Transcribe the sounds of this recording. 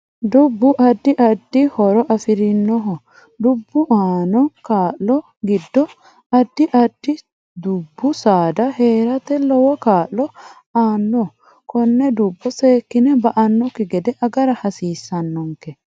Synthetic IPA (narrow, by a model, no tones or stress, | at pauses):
d̪ʊbːʊʔɐd̪ːɪʔɐd̪ːɪhɔɾɔʔɐfɪɾɪnːɔɦɔ | d̪ʊbːʊʔaːnɔkaːʔlɔ | ɡɪd̪ːɔ | ɐd̪ːɪʔɐd̪ːɪ | d̪ʊbːʊsaːd̪ɐheːɾɐt̪ɛlɔwɔkaːʔlɔ | aːnːɔ | kɔnːɛd̪ʊbːɔseːkːɪnɛbɐʔɐnːɔkːɪɡɛd̪ɛʔɐɡɐɾɐhɐsiːsːɐnːɔŋkɛ